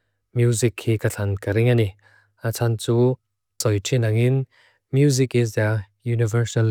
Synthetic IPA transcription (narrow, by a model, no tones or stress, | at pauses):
mjuzikhikɐt͡ɬʰankɐɾiŋani | at͡sʰant͡su | sɔjtʰinɐŋin | mjuzikizd̪ajunivəɾsɐl